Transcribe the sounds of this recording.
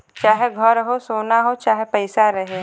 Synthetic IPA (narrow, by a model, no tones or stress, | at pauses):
t͡ʃaːɦeɡʱɔɾɦosoːnaɦot͡ʃaːɦepɛɪsaɾɐɦe